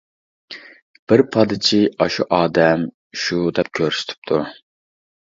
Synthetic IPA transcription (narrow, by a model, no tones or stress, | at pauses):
b̥ɪɾpʰɑd̪ɪt͡ʃʰiɑʃuʔɑːd̪ɛm | ʃud̪ɛp̚kʲʰøɾsy̥t̪ʰy̥p̚t̪ʰu